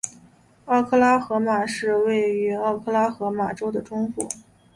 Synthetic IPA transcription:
ɑ˥˩ʊkʰɤ˥˧la˥xɤ˧˥ma˨˩ʂɻ̩˥˧we˥˩ɪy˧˥ɑ˥˩˧kʰɤ˥˧la˥xɤ˧˥ma˨˩ʈ͡ʂo˥ʊd̪ə˨ʈ͡ʂʊ˥ŋfṵ˥˩˦

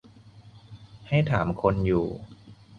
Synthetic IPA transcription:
ha˥˩jt̪ʰaː˩˦mkʰo˧njuː˨˩

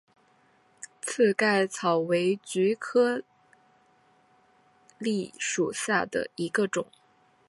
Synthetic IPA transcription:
t͡sʰɹ̩˥˧ka˥˩ɪt͡sʰɑ˨˩ʊwe˧˥ɪt͡ɕy˧˥kʰɤ˥ | li˥˩ʂu˨˩ɕja˥˩d̪ə̰˩i˧˥ɡə˧ʈ͡ʂʊ˨˩˦ŋ

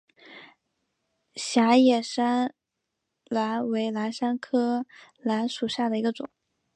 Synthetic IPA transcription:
ɕja˧˥jɛ˨˩ʂa˥n | la˧˥nwe˧˥ɪla˧˥nʂa˥nkʰɤ˥ | la˧˥nʂu˨˩ɕja˥˩d̪ə˩i˧˥ɡə˧ʈ͡ʂʊ̰˨˩˦ŋ

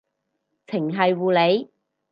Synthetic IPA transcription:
t͡sʰɪ˨˩ŋɦɐ˨jwuː˨le˨˧j

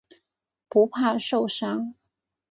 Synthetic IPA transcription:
pu˧˥pʰa˥˧ʂo˥˨˩ʊʂɑ˥ŋ

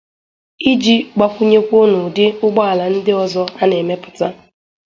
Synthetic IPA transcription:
i˦d͡ʒi˦ɡ͡ba˦kʷu˦ɲe˦kʷo˦no˨dɪ˦ʊ˦ɡ͡bɔ˦a˨la˨n̩˦dɪ˦ɔ˨zɔ˦a˦ne˨me˦pʊ̥˨ta˦

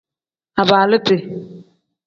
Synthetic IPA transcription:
a˨baː˨lɪ˦pɪ˨

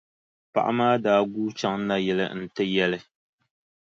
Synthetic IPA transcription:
pa̰˨ʔa̰˦maː˦daː˦ɡuː˦t͡ʃa˦ŋna˦jɛ˨lɨ̰˦˨n̩˦˨tɨ˦jɛ˦lɨ˦

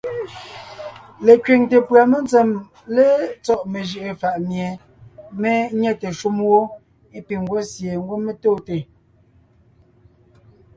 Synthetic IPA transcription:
le˨kɥe˨ŋte˨pɰa˨me˦nt͡se˨m | le˦t͡sɔ˦˨ʔme˨ʒə˨ʔe˨fa˨ʔmje˨ | me˦ɲɛ˦te˨ʃu˦mwo˦ | e˦pi˨ŋ˨ɡwo˦sje˨ŋ̩˦ɡwo˦me˦toː˦˨te˨

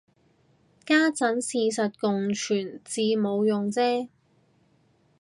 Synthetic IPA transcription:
kaː˥t͡sɐ˨˥nsiː˧sɐ˨t̚kʊ˨ŋt͡ʃʰyː˨˩nt͡siː˧mo˨˧wjʊ˨ŋt͡sɛː˥

